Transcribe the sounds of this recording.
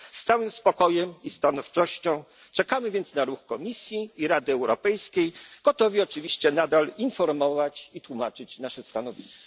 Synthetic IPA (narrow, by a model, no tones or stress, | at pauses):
st̪sawɘmspɔkɔjɛmist̪anɔft͡ʂɔɕt͡ɕɔ̃w̃ | t͡ʂɛkamɘvʲjɛnt̪snaɾuxkɔmʲisʲjiːɾad̪ɘɛwɾɔpɛjskʲejɡ̥ɔt̪ɔvʲiɔt͡ʂɘvʲiɕt͡ɕɛnad̪alinfɔɾmɔvat͡ɕit̪wumat͡ʂɘt͡ɕnaʂɛst̪anɔvʲiskɔ̥